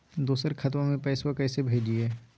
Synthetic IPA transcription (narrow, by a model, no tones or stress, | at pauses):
d̪uːsəɾkʰɐt̪̬mãmẽpɛːswakɛːsebʱeːd͡ʒieː